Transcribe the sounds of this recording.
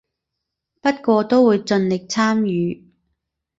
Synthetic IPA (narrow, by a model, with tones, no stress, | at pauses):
pɐ˥t̚kʷɔː˧t̪o˥wwuː˨˧jt͡sɵ˧nlɪ˨k̚t͡sʰaː˥mjyː˨˧